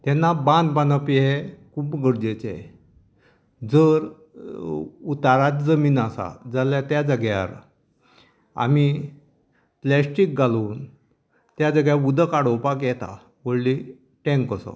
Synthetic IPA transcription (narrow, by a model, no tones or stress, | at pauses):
t̪ɛnːabãnd̪banəpiɦekuːpɡəɽd͡ʑet͡ɕḛ | d͡zəɾ | ut̪aɾat̪d͡zəmiːnasa̰d͡zaljat̪jad͡zəɡja̰ɾ | a̰mi | plɛsʈik̚ɡaluːn | t̪jad͡zəɡjaud̪əkaɽowpakjɛt̪a̰ | ʋəɽli | ʈɛ̃ŋkəsə̰